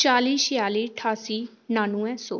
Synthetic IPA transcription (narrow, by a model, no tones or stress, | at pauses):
t͡ʃaːliːʃɪjaːliːʈʰaːsiː | naːnũːɛ̃ːsoː